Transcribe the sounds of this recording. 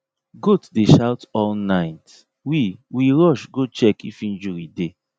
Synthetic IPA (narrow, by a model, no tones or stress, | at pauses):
ɡotdeʃawtɔlnaɪt | wiwiɹɔʃɡot͡ʃɛkifĩnd͡ʒuɹide